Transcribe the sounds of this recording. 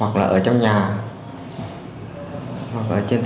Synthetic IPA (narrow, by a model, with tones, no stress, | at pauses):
wa˨˩k̚laː˨˩ʔəː˧˩t͡ɕɔ˧wŋ͡mɲaː˨˩ | hwa˨˩k̚ʔəː˧˩t͡ɕe˧nt̪